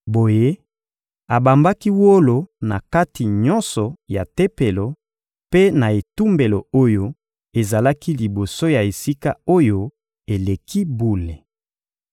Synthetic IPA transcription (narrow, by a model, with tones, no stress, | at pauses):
bo˨je˦ | a˨ba˨mba˦ki˦wo˦lo˨na˨ka˦ti˨ɲɔ̃˦nsɔ˨ja˨te˦pe˨lo˨ | pe˦na˨e˨tu˦mbe˨lo˨o˦jo˦ | e˨za˨la˦ki˦li˨bo˨so˦ja˨e˨si˦ka˦o˦jo˦ | e˨le˨ki˦bu˦le˨